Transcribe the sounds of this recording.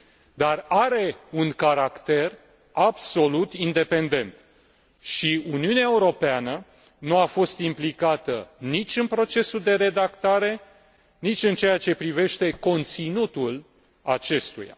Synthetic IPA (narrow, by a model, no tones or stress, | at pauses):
d̪araɾe̞unkaɾakt̪e̞r | abso̞lut̪ind̪e̞pe̞nd̪e̞nt̪ | ʃiuniuneaeuɾo̞peanə | nuafo̞st̪implikat̪ənit͡ʃʲɨnpɾo̞t͡ʃe̞suld̪e̞ɾe̞d̪akt̪aɾe̞ | nit͡ʃʲɨnt͡ʃejat͡ʃe̞pɾive̞ʃt̪e̞ko̞nt̪sinut̪ul | at͡ʃe̞st̪ṵja̰